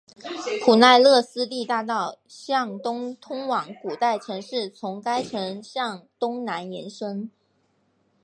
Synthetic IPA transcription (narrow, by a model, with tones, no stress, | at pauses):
kʰu˨˩na˥˧ɪlɤ˥˩sɹ̩˥li˥˧t̪a˥˧t̪ɑ˥˩ʊ | ɕjɑ˥˩ŋt̪ʊ˥ŋt̪ʰʊ˥ŋwɑ˧˥ŋku˨˩t̪a˥˩ɪʈ͡ʂʰɤ˧˥ŋʂɻ̩˥˩t͡sʰʊ˧˥ŋka˥ɪʈ͡ʂʰɤ˧˥ŋɕjɑ˥˩ŋt̪ʊ˥ŋna˧˥njɛ˧˥nʂɤ˥ŋ